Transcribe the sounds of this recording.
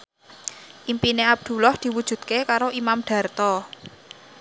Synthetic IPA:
ʔimpineab̚d̪̥ṳlɔhd̪̥i̤wud̥ʒ̥ṳd̪̥̚kekaɾoʔimamɖ̪̥ä̤rt̪ɔ

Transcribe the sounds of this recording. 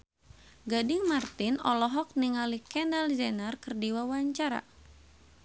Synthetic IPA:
ɡadɪŋmart̪ɪnɔ̰lɔɦɔk̚niŋalikɛndald͡ʒɛnərkɨrdiwawaɲt͡ʃaɾa̰

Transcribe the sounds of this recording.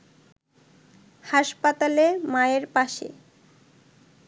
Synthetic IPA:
haʃpat̪alemaeɾpaʃḛ

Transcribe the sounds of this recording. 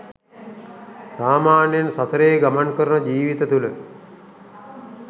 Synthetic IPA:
saːmaːnjansat̪əɾejɡamankəɾunəd͡ʒiːʋit̪ət̪ulə

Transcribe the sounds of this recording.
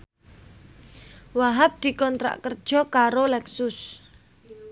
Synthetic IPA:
waɦap̚d̪̥i̤kɔnt̪ɾa̰ʔkərd̥ʒ̥ɔ̤kaɾolɛksʊs

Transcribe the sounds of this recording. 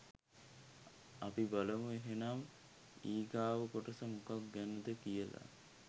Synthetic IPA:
apibaləmueɦenam | iːɡaːʋəkoʈəsəmukak̚ɡænəd̪əkijəla̰

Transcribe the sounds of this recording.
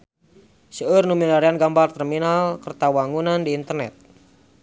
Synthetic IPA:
səərnumilaɾianɡambart̪ɛrminalkərt̪awaŋunandiːnt̪ərnɛ̰t̪̚

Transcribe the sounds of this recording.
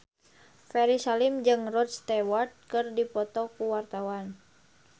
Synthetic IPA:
fɛɾisalimd͡ʒɨŋrɔt̪̚st̪ɛwart̪̚kɨrdipɔt̪ɔkuwart̪awan

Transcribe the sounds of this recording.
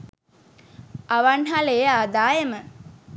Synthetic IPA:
aʋanɦalejaːd̪aːjemə

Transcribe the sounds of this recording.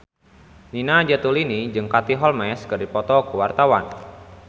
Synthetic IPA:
ninad͡ʒat̪ulinid͡ʒɨŋkat̪iɦɔlmɛskɨrdipɔt̪ɔkəwart̪awan

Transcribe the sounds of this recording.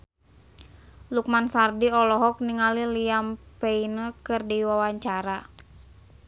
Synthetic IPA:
luk̚mansardiɔlɔɦɔk̚niŋaliliampeinəkɨrdiwawaɲt͡ʃaɾa

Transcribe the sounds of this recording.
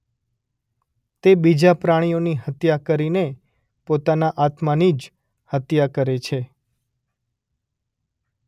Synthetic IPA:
t̪ebid͡ʒapɾaɽ̃ijoniɦət̪jakəɾine | pot̪anaʔat̪manid͡ʒ | hət̪jakəɾet͡ʃʰe

